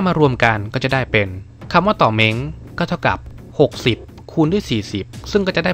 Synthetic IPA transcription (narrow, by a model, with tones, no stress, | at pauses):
a˥˩maː˧ɾu˧əmka˧nkɔː˥˩t͡ɕa˨˩daː˥˩jpe˧n | kʰa˧mwaː˥˩t̪ɔː˨˩me˦˥ŋkɔː˥˩t̪ʰa˥˩wka̰˨˩p̚ | ho˨˩k̚si˨˩p̚ | kʰuː˧ndu˥˩əjsiː˨˩si˨˩p̚sɯ˥˩ŋkɔː˥˩t͡ɕa˨˩da˥˩